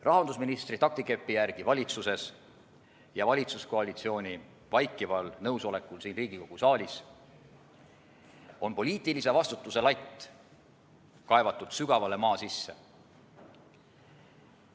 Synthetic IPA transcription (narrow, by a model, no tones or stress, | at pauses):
rʔɑɦɑnd̪usminist̪rit̪ɑk̚t̪ike̞pːijærɡ̥ivɑlʲit̪suse̞s | jɑvɑlʲit̪susko̞ɑlʲit̪sio̞ːnʲi | vɑjkːˑivɑlnɤwso̞le̞kːˑulsiːnriːɡ̥iko̞ɡ̥usɑːlʲis | o̞npo̞lʲiːt̪ˑilise̞vɑst̪ut̪ːˑuse̞lɑjt̪ːˑ | kɑe̞vɑt̪ːˑut̪syɡ̥ɑvɑle̞mɑːsisːe